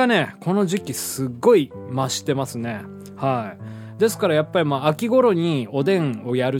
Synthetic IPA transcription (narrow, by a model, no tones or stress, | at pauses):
ane̞kʰo̞no̞ʑikʲisɨɡːo̞i | maɕi̥t̪e̞masɨne̞ | hai | d̪e̞sɨ̥kaɾajapːaɾʲimaːakʲiɡo̞ɾo̞ɲ̟io̞d̪ẽ̞ɴo̞jaɾɯ